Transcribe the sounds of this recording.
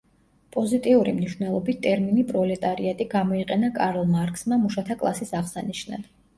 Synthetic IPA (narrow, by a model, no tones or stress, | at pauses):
pʼɔzit̪ʼiuɾimniʃv̥nɛlˠɔbit̪ʰt̪ʼɛɾminipʼɾɔlɛt̪ʼaɾiat̪ʼiɡamɔiqʼɛnakʼaɾlˠmaɾkʼsmamuʃat̪ʰakʼlˠa̰sisaʁsaniʃna̰d̪̥